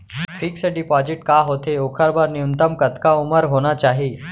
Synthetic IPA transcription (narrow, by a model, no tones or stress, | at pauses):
fʰiːksəɖiːpɔd͡ʑɪʈkaɦot̪eokʰəɾbaɾniunt̪əmkət̪kauməɾɦoɽ̃at͡ʃaɦiː